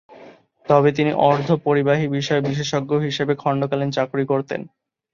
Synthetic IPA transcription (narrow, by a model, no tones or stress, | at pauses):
t̪ɔbet̪̬inḭʔɔɾd̪ʱopoɾibaɦibiʃɔebiʃ̬eʃɔɡːoɦiʃebekʰɔɳɖokalent͡ɕakɾikoɾt̪ḛn